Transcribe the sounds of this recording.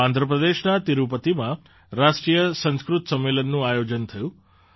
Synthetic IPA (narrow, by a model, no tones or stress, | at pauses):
ãnd̪ʱɾəpɾəd̪eʃnat̪iɾupət̪imã | ɾaʃʈɾijəsə̃skɾut̪səmːelənːũajod͡ʒənt̪ʰəjũ